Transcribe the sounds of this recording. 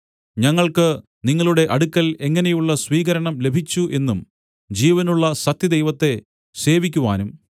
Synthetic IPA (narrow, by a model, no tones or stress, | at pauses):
ɲɐŋːɐɭkɨ | niŋːɐɭuɽe̞ʔɐɽukːɐle̞ŋːɐnejuɭːɐsʋiːɣɐɾɐɳɐmle̞bʱit͡ɕːuʔe̞nːum | d͡ʑiːʋɐnuɭːɐsɐt̪jɐd̪ejʋɐt̪ːe̞ | se̞ːʋikʲːuʋa̰ːnum